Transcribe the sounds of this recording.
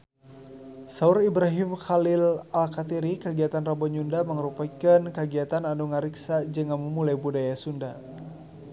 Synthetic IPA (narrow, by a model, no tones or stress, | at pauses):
sauɾibɾaɦimxalɪlalkat̪iɾikəɡiat̪anrabɔɲundaməŋɾupakankəɡiat̪ananuŋaɾiksad͡ʒəŋanməmulajbudajasunda